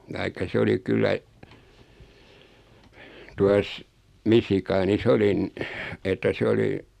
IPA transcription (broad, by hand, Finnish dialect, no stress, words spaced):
tɑikːɑ se oli kylːæ tuɑs misikɑːnis olin etːæ sĕ oli